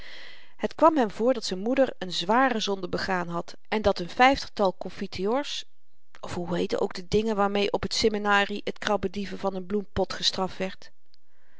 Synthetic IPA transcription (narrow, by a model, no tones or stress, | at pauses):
hətkʋɑmɦɛmvʊːɹdɑtsɛjnmudəɹənzʋaːrəzɔndəbəχaːnɦɑt | ɛndɑtənfɛjftə̥χtɑlˠkɔnfitʰioːɹs | ɔfɦuɦejtə̰nʔo̰wɡ̚dədɪŋənʋaːɹmejʔɔpɦətsɛminaːriətkrɑbədivəvɑnənblumpɔtχəstrɑftʋɛɹt